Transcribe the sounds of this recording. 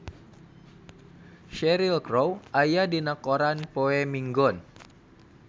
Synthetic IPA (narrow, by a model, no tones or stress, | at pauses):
ʃɛɾilkɾowʔajadinakoɾanpoɛmiŋɡɔn